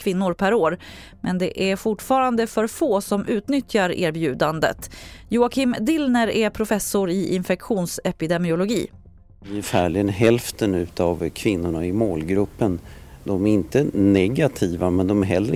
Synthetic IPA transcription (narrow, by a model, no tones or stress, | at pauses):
kʰvɪnːʊɾpʰæɾoːɾ | mʔɛnd̪ɛʔæɾfʊʈfɑːɾand̪əfœɾfoːsɔmʔʉ̟ːt̪nʏt̪jaɾḛːɾbjʉ̟ːd̪and̪ə̰t̪jʊːakʰɪmd̪ɪlnəɾæpʰɾʊfɛsːʊɾɪʔɪnfɛkɧuːnsɛpɪd̪ɛmɪʊlʊɡḭː | ɪɛfæːɭɪɡənɦɛlft̪ənʉ̟ːt̪avkʰvɪnːʊɳaɪmoːlɡɾɵpːənd̪ɔmæɾɪnt̪ənɛɡat̪ʰiːvamɛnd̪ɔmæɦɛlːɾə